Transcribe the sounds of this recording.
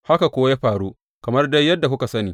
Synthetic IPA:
ha˦ka˨kʷoː˦wa˦jaː˦ɸaː˨ɽu˦ | kɐ˨mɐ˦rda˦jːɐ˦dːa˨kʊ˦ka˨sɐ˦niː˨

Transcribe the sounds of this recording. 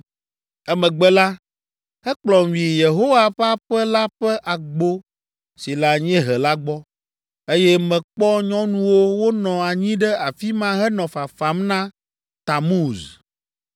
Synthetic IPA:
ɛ˦mɛ̃˨ɡ͡bɛ˦la˦ | hɛ˦k͡plɔ˨mĩ˨je˨ɦo˦wa˨ɸa˦ɸɛ˦la˦ɸɛ˦ʔa˨ɡ͡bo˦ | si˨la˨ɲ˦ɛ̃˦ɦɛ˨la˦ɡ͡bɔ˦ | e˦jɛ˦mɛ̃˨k͡pɔ˦ɲɔ̃˦nũ˦wo˦wo˦nɔ̃˨a˨ɲĩ˦ɖɛ˦a˨fi˦mã˦ɦɛ˦nɔ̃˨fa˨fa˨˦mnã˦ | t̪a˨mu˦˨z

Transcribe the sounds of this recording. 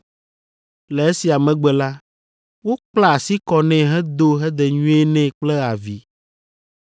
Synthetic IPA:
lɛ˨e˦si˨a˨mɛ̃˨ɡ͡bɛ˨la˦ | wo˦k͡pla˦˨si˦kɔ˨nɛ̃˨ɦɛ˦d̪o˦ɦɛ˦d̪ɛ˨ɲũ˦e˦nɛ̃˦k͡plɛ˦a˨vi˨

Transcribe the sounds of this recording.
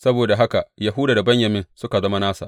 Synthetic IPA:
sɐ˦boː˨da˨ɦa˦ka˨ja˨ɦʊ˦daː˨da˨bɐ˦ɲjɐ˨mɪ˦nsʊ˦ka˨zɐ˦ma˦naː˦sa̰˨ʔ

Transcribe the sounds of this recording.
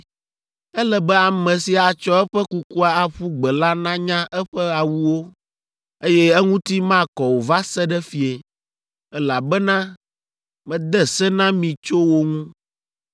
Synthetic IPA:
ɛ˦lɛ˨bɛ˦a˨mɛ̃˨si˨a˨t͡ʃɔ˦ɛ˦ɸɛ˦ku˦ku˦a˨a˨ɸu˦ɡ͡bɛ˨la˦nã˦ɲã˦ʔɛ˦ɸɛ˦a˨wu˦wo˦ | e˦jɛ˦ɛ˦ŋũ˦t̪i˦mã˦˨kɔ˨wo˨va˦sɛ˦ɖɛ˦fi˨e˨ | ɛ˦la˨bɛ˦nã˦ | mɛ̃˨d̪ɛ˦sɛ˦nã˦mĩ˨t͡ʃo˦wo˦ŋũ˦

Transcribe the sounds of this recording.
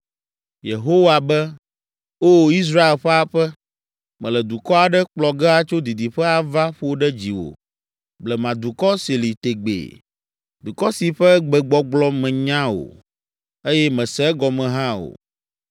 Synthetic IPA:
je˨ɦo˦wa˨bɛ˦ | o˦i˦s̬ɾa˦e˨lɸɛ˦a˨ɸɛ˦ | mɛ̃˨lɛ˨d̪u˨kɔ˦a˨ɖɛ˦k͡plɔ˨ɡɛ˦a˨t͡ʃo˦d̪i˨d̪i˨ɸɛ˦a˨va˦ɸo˦ɖɛ˦d͡ʑi˨wo̰˨ | blɛ˨mã˨d̪u˨kɔ˦si˨li˨t̪e˨ɡ͡bḛ˨ | d̪u˨kɔ˦si˨ɸɛ˦ɡ͡bɛ˨ɡ͡bɔ˦ɡ͡blɔ˦mɛ̃˨ɲã˦o̰˨ | e˦jɛ˦mɛ̃˨sɛ˦ɡɔ˨mɛ̃˨ɦã˦o̰˨

